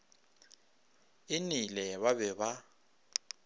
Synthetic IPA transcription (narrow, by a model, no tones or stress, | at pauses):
ɪnilɛβaβɛβa